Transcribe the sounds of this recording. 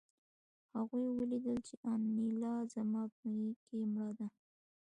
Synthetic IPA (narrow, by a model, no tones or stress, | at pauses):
haɣujwəlid̪əlt͡ʃeʔɑnːilɑzamɑpjikemɽɑd̪a